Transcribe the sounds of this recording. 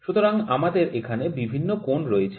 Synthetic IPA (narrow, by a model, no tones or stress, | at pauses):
ʃut̪oɾaŋamad̪eɾekʰanebibʱinːokonɾoet͡ɕʰ